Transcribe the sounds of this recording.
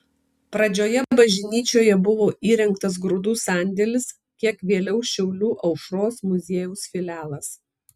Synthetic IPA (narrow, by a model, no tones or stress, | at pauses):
pɾɐd͡ʒʲoːjɛbɐʒʲɪnʲiːt͡ʃʲoːjɛbʊʋoːʔiːɾʲɛŋˑkt̪ɐs̬ɡɾʊd̪uːsɑˑnʲd̪ʲɛlʲɪs | kʲiɛkʋʲeːlʲɛʊʃʲɛʊlʲuːʔɐʊʃɾoːsmʊzʲeːjuːsfʲɪlʲæːlˠɐs